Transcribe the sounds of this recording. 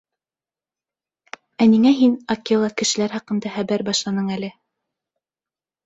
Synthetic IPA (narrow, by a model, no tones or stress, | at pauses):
æniŋæɦinɑkʲːelˠɑkɘ̆ʃɘ̆læɾhɑqɤ̆nd̪ɑχæbæɾbɑʃlˠɑnɤɴælɘ